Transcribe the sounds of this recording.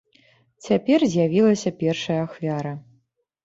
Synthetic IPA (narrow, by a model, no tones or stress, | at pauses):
t͡sʲapʲɛrzʲjavʲilˠɐsʲɐpʲɛrʂɐjɐaxvʲaɾɐ